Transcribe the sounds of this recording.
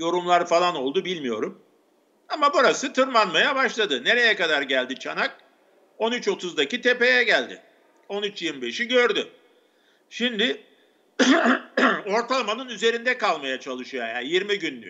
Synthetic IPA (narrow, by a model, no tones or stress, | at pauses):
jo̞ɾumlˠaɾfalˠano̞lˠd̪ubilʲmijo̞ɾum | amabuɾasɯt̪ʰɯɾmanmajabaʃlˠad̪ɯne̞ɾe̞jɛkad̪aɾɟælʲd̪it͡ʃʰanak̚ | o̞nyt͡ʃo̞t̪ʰuzd̪acit̪ʰe̞pe̞jɛɟælʲd̪ɪ̰ | o̞nyt͡ʃjiɾmibe̞ʃiɟø̞ɾd̪y | ʃimd̪ɪ | o̞ɾt̪ʰalˠamanɯnyze̞ɾind̪ɛkalˠmajat͡ʃʰalˠɯʃɯjajajiɾmiɟynːy̰